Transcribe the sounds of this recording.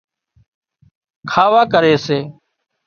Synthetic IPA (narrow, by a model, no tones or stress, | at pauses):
kʰaːʋaːkəɾeːseː